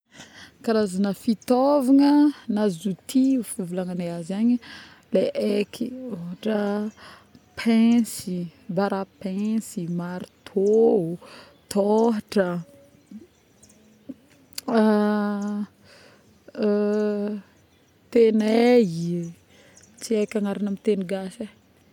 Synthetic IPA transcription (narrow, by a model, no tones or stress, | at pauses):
kaɾazanəfit̪ovaŋənazut̪ʰiufuvulaŋaneazaɲi | leʔekʰioɦaʈ͡ʂə | pʰɛ̃sibaɾapɛ̃simaɾit̪ʰo | t̪ʰoɦaʈ͡ʂə | t̪eneɦi | t͡siekʲaŋaɾinamit̪eniɡaʃe